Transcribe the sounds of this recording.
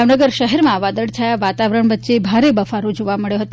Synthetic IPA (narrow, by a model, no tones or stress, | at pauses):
aʋnəɡəɾʃəɦɛɾmãʋad̪əɽt͡ʃʰajaʋat̪aʋəɾəɳ̃ʋət̪ːʃebʱaɾebəfaɾod͡ʒoʋaməɭjoɦət̪o